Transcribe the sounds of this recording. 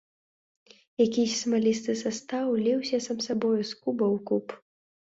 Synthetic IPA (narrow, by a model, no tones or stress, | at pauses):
jakʲisʲsmalʲist̪ɨsast̪awlʲɛwsʲɐsamsabɔjuskubɐwkup